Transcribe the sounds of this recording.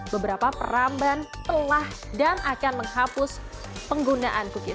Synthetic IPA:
bəbəɾapapə̰ɾambant̪əlah | danakanməŋhapʊs | pəŋɡunaʔankukɪ

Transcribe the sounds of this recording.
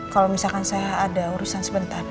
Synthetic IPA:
kalomisalkansaaːdauɾusansəbənt̪ar

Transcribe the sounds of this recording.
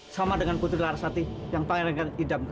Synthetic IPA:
samadəŋanput̪ɾilaɾasat̪ijaŋpaŋɛɾŋkanidamk

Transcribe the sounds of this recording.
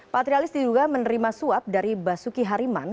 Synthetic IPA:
pat̪ɾialɪsdiduɡamənəɾimasuap̚daɾibasukiɦaɾiman

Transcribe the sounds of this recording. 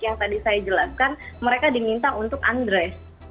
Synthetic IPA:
jaŋt̪adisajad͡ʒəlaskanməɾekadimint̪aunt̪ʊka̰ndɾɛs

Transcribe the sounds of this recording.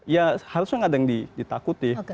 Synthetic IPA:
jahaɾusnaŋadaŋdidit̪akut̪io

